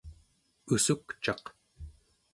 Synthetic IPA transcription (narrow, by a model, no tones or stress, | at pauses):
usukt͡ʃɑq